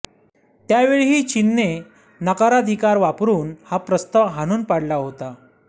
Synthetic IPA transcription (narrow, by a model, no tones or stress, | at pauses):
t̪jaʋeɭiɦit͡ɕinːe | nəkaɾad̪ʱikaɾʋapɾuːnhapɾəst̪aʋɦañuːnpaɽlaɦot̪a